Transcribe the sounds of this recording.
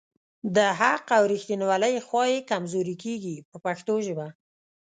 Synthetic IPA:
d̪əɦaqawɾixt̪inwaləjxwɑjekamzoɾikeɡipəpaxt̪oʒəba

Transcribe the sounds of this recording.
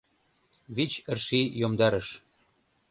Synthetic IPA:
βit͡ɕə̆rʃijomd̪ɑɾəʃ

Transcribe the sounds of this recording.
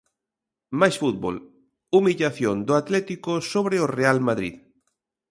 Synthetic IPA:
majsfut̪̚bo̰l | umiʎaθjond̪oat̪lɛt̪ikosoβ̞ɾeorealmaðɾḭð

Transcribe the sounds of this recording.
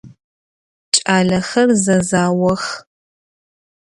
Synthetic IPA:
t͡ʃʼaːɮɐxɐrzɐzaːwɐx

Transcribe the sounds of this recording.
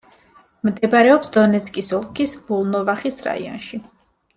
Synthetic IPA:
md̪ɛbaɾɛɔpsd̪ɔnɛt̪sʰkʼisɔlˠkʰisbulˠnɔvaχisɾa̰ḭɔ̰nʃi

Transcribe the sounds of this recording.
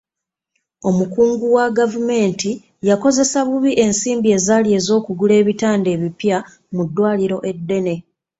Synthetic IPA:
o̞mukuːŋɡuwaɡavume̞ːnti | jako̞ze̞saβuβiʔe̞nsiːmbie̞ːzaːlie̞ːzo̞ːkuɡule̞ːβitaːnde̞ːβipja | mudːwaːliɾo̞ʔe̞dːe̞ne̞

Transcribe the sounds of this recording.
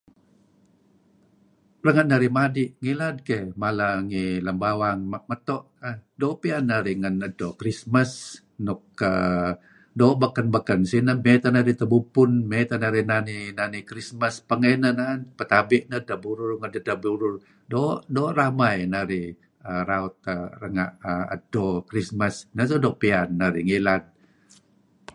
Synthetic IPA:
rəŋat̪̚naɾimadiʔŋilad̪̚kemalaŋiləmbawaŋmamət̪ɔʔ | ədopianːaɾiŋənədokɾismas | nʊkːə̰ | doʔbakanbakansinəmet̪anaɾit̪əbupʊnmet̪anaɾinaninanikɾisməspəŋenənanpət̪abɪʔnədabuɾʊrŋadədabuɾʊr | doʔdoːʔramajnaɾi | əɾaut̪̚ərəŋa̰ʔəə̰dokɾisməsnəs̬odoʔpianːaɾiŋilat̪̚

